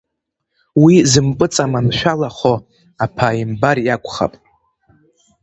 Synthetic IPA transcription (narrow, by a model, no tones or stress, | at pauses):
wizɨmpʼɨt͡sʼamanʃʷᶣalaχo | apʰaimbarjakʷʰʼχa̰pʼ